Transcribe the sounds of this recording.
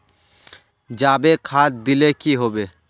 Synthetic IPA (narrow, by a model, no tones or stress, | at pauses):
d͡ʒaːbekʰaːd̪ɪlekiɦoːbeː